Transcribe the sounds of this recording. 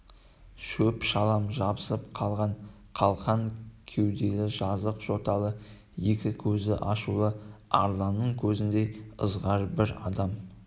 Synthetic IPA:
ʃɵpʃɑlˠɑmʒɑbəsəpqʰɑlˠʁɑɴ | qʰɑlˠqɑŋkʲʰe̞wd̪e̞lɪʒɑzəqʒ̥o̞t̪ɑlˠə | je̞kʲɪkʲʰɵzɪ̰ʔɑʃulˠəɑ̰ɾlˠɑnːəɴkʲʰɵzɪnd̪e̞ə̰zʁɑɾbɪɾɑ̰d̪ɑm

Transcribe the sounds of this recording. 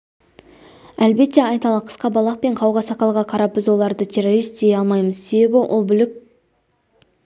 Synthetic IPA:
ælbe̞t̪ːe̞ɑjt̪ɑlˠɑqʰə̥sqɑbɑlˠɑqpe̞ɴqʰɑwʁɑsɑqɑlˠʁɑqʰɑɾɑp̚bɪzwo̞lˠɑɾd̪ət̪ʲʰe̞ro̞ɾijst̪d̪eɑlˠmɑjməz̥se̞be̞bɪʔo̰lˠbʏlɪk̚ʲ

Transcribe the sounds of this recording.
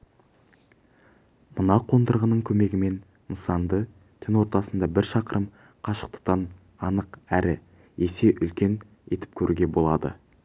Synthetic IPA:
mənɑqʰo̞nd̪əɾʁənəɴkʲʰɵme̞ɡʲɪme̞n | nəsɑnd̪ə | t̪ʲʰɪnwo̞ɾt̪ɑsənd̪ɑbɪɾʃɑqəɾʔəm | qʰɑʃə̥q̚t̪ə̥qt̪ɑn | ɑnəqæɾʔɪ | e̞se̞ʔʏlkʲe̞n | e̞t̪ɪ̥p̚kʲʰɵɾʔuɡʲe̞bo̞lˠɑd̪ə̰

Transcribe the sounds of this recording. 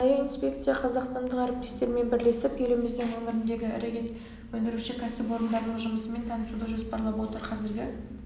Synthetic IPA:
ɑjɑinspʲe̞kt̪sɨjaqʰɑzɑqst̪ɑnd̪əqæɾɪp̚t̪ʲest̪e̞ɾme̞nbɪɾle̞sɪpje̞lɪmɪzd̪ɪŋwɵŋɪɾɪnd̪e̞ɡʲɪ̰ɾeɡʲe̞nt̪ | wɵnd̪ɪɾuʃɪkʲʰæsɪpwo̞ɾənd̪ɑɾd̪əɴʒʊməsəme̞nt̪ʰɑnəsud̪əʒo̞spɑɾlˠɑpwo̞t̪əɾqʰɑzɪɾɡʲɪ

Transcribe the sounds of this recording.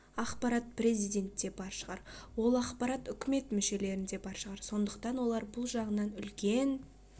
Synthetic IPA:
ɑχqpɑɾɑt̪̚pɾʲe̞zijd̪ʲe̞nt̪ːe̞bɑɾʃəʁɑɾwo̞lˠɑqpɑɾɑt̪ʏkʲɪme̞t̪mʏʃe̞le̞ɾɪnd̪e̞bɑɾʃəʁɑɾso̞nd̪əqt̪ɑnwo̞lˠɑɾbʊlˠʒɑʁənɑnʏlkʲe̞n

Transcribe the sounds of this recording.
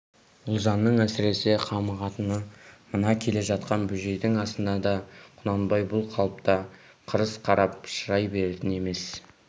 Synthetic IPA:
ʊlˠʒɑnːəɴæsɪɾe̞sɪqʰɑməʁɑt̪ənəmənɑkʲʰe̞le̞ʒɑt̪̚qɑnbʏʒe̞jd̪ɪŋɑst̪ənd̪ɑd̪ɑqʰʊnɑnbɑjbʊlˠqʰɑlˠəpt̪ɑ | qʰəɾəsqʰɑɾɑp̚ʃəɾɑjbe̞ɾet̪ɪne̞me̞s

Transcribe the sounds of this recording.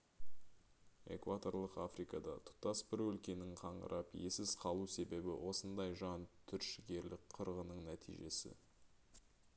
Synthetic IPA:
e̞̰kvat̪o̞rlˠəqa̰frijkɑd̪ɑt̪ʰʊ̥t̪ɑsbɪɾwɵlkʲe̞nɪŋqʰɑɴʁə̰ɾʔɑpjesɪz̥qʰɑlˠuse̞be̞bɪ̰wo̞sənd̪ɑjʒɑnt̪ʰʏɾʃɪɡʲe̞ɾlɪk̚qʰəɾʁənəɴnæt̪ʰḭjʒe̞sɪ̰

